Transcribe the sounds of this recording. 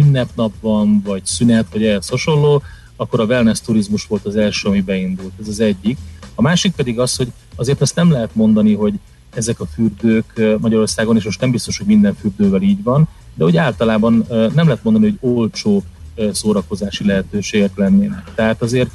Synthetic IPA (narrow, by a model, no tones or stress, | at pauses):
ynːɛpnɒpvɒnvɒɟsynɛt̪ʋɒɟɛːɛshoʃo̞lːoː | ɒkːo̞ɾɒvɛlnɛst̪uɾizmuʃʋo̞lt̪ɒzɛlʃøːɒmibɛind̪ult̪ɛzɒzɛɟːikɒmaːʃik̚pɛd̪iɡɒsho̞ɟ | ɒzeːrt̪ɛst̪nɛmlɛɦɛt̪mo̞nd̪ɒniɦo̞ɟ | ɛzɛkɒfyrd̪øːkmɒɟɒɾo̞rsaːɡoneːʃmo̞ʃt̪nɛmbist̪o̞ʃho̞ɟmind̪ɛɱfyrd̪øːvɛliːɟʋɒn | d̪ɛɦo̞ɟaːlt̪ɒlaːbɒnːnːɛmlɛɦɛt̪o̞nd̪ɒniɦo̞ɟolt͡ʃoːsoːɾɒko̞zaːʃilɛɦɛt̪øːʃeːɡɛklɛnːeːnɛk̚t̪ɛɦaːt̪ɒzeːrt̪